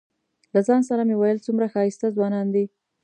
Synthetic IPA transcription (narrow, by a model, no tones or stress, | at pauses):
lazɑnsaɾamewajəlt͡sumɾaxɑjist̪azwɑnɑnd̪i